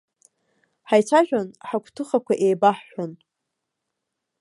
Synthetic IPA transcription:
ħajt͡sʷʰaʒᶣanħakʷʰtʰɨχakʷaʔejbaħːʷᶣan

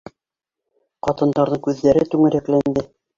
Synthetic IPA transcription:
qɑt̪ɤ̆nd̪ɑɾðɤŋkʉðːæɾɘt̪ʉŋɘ̆ɾæklænd̪ɘ

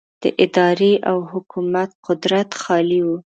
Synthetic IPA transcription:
d̪̥əʔɪd̪ɑɾeʔawhʊkumat̪̚qʊd̪ɾat̪xɑliwu

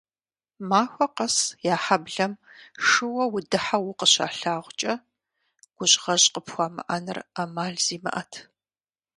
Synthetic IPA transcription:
maːxʷɔqɐsjaːħabɮɐm | ʂɨwɐwʊdɨħawʊqəɕa̰ːɬaːʁʷʊt͡ʃʼɐ | ɡ̥ʷʊɕʼʁɐɕʼqəpxʷaːmɨ̰ʔɐnɨramaːɮz̥iːmɐ̰ʔɐtʰ

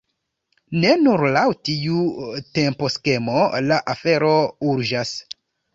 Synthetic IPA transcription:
ne̞nuɾlawtiutempo̞ske̞mo̞laʔafe̞ɾo̞uɾd͡ʒas

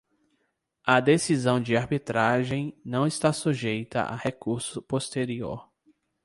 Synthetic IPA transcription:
ɐd̪esizɐ̃w̃d͡ʒɪaɾbit̪ɾaʒẽj̃nɐ̃w̃ɪst̪asuʒejt̪ɐ̰ʔa̰hekuɾsʊpost̪eɾio̰ɾ

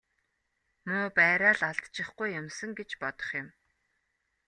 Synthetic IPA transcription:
mʊːpæːɾaːɮaɮt̪t͡ɕɪ̆χɡujːʊmsə̆ŋɡet͡ɕpɔt̪ɞ̥̆χjʊ̆m

